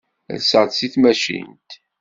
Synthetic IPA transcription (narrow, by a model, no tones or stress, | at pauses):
ðsəd̪siθmæʃḭnt̪